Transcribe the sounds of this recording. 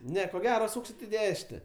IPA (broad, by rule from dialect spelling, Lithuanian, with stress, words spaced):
ˈnʲɛ koː ˈɡʲæːroː ˈsuːksʲɪt ɪ ˈdʲæːʃʲɪnʲɛ